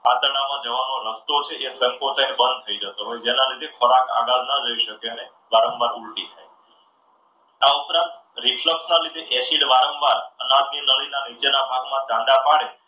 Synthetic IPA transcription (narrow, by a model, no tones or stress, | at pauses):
a̰t̪əɽ̃amãd͡ʒəʋanoɾəst̪ot͡ʃʰeʔesə̃ŋkot͡ʃaibənd̪̚t̪ʰəid͡ʒət̪oɦojd͡ʒenalid̪ʱekʰɔɾaka̰ɡalnəɾəiʃəkeəne | ʋaɾəmʋaɾuɭʈit̪ʰaj | aupɾãnt̪ɾifləksnalid̪eʔɛsiɽʋaɾə̃mʋaɾənad̪̚ninəɭinanit͡ʃenabʱaɡmãt͡ʃãnd̪apaɽe